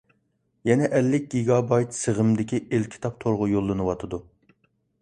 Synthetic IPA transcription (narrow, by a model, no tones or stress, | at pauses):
jɛnɛʔɛlːɪk̚ʲɡʲiɡɑbɑjt̪səʁəmd̪ɪkʲiʔelkʲʰi̥t̪ʰɑp̚t̪ʰoɾʁʊjolˠːɨnɨwɑt̪ʰɨd̪u